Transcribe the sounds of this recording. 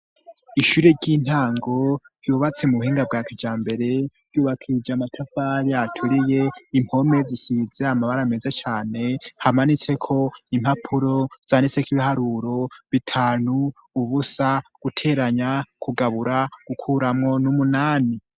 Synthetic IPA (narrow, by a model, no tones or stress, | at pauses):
iʃuɾeɟiːn̥haːŋɡo̞ | juβat͡se̞muβuhiːŋɡab̚ɡaːkad͡ʒaːmbe̞ɾe̞v̥ɟuːβakʰiɾid͡ʒamatʰafaːɾiatʰuɾije̞im̥ho̞me̞zisize̞amaβaɾamezet͡ʃaːne̞hamanit͡se̞kʰo̞im̥hapʰuɾo̞z̥aːnit͡sekiβihaɾuːɾo̞βitʰaːnuː | βusaɡ̥utʰe̞ːɾaɲakʰuɡaβuɾaɡ̥ukʰuɾamŋo̞numunaːni